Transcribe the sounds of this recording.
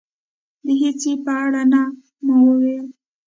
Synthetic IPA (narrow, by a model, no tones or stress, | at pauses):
d̪əɦet͡sepəaɽana | mawəwel